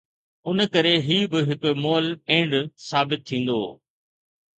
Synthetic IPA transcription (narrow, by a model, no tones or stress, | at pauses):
ʊnkɐɾeɦiːbɪɦɪkmoːlẽːɳɖsaːbɪt̪̚ʰːĩːn̆d̪o̰ː